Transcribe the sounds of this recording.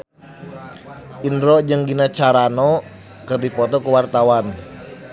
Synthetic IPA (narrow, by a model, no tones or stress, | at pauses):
ʔindɾɔd͡ʒəŋɡinat͡ʃaɾanɔ | kɨrdipɔt̪ɔkuwart̪awan